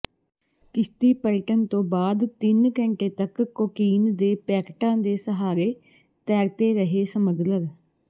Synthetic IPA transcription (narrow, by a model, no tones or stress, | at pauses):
kɪst̪iːpəlʈənt̪õːbaːd̪t̪ɪnkɛ̃ːɳʈeːt̪əkkːoːkiːnd̪eːpɛːkʈãːd̪eːsəɦaːɾeː | t̪ɛːɾt̪eːɾəɦeːsəməɡləɾ